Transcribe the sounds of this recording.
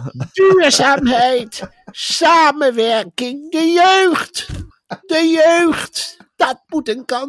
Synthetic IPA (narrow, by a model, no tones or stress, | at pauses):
d̥yːɹzaːmɦɛjt | saːmənʋɛɹkɪŋdəjøɥχt | dəjøɥχt | d̥ɑt̚mutənkɑn